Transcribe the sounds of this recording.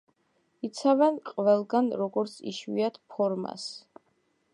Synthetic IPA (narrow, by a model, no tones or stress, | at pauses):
it̪sʰavɛnqʼvɛlˠɡanɾɔɡɔɾt̪sʰḭʃwḭat̪ʰpʰɔɾma̰s